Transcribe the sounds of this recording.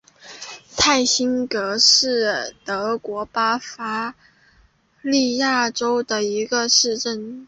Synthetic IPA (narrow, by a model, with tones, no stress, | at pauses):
t̪ʰa˥˩ɪɕi˥nkɤ˧˥ʂɻ̩˥˩t̪ɤ˧˥kwɔ˧˥pa˥fa˥ | li˥˧ja˥˩ʈ͡ʂo˥ʊd̪ə˨i˧˥ɡə˧ʂɻ̩˥˧ʈ͡ʂə˥˩n